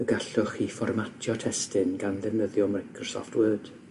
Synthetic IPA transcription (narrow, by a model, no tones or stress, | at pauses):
əɡaɬʊχifɔrmatʰjɔtʰɛstɪnɡanðɛvnəðjɔmajkʰrɔsɔ̰ftwəːd̥